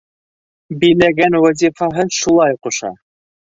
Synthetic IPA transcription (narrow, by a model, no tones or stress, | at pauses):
bijlæɡænwɑzʲifɑɦɤʃulˠɑjqŏʃɑ̰